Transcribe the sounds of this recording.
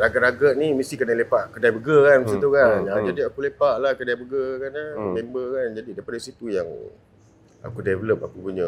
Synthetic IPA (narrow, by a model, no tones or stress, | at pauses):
raɡəʔɾaɡəʔ̚nimist̪ikənalepaʔkədajbəɡəkanəsət̪ukanaad͡ʒadiakulepaʔlahkədajbəɡəkanamembəkand͡ʒadidaipadasit̪ujaŋ | a̰kudevələp̚akubuɲə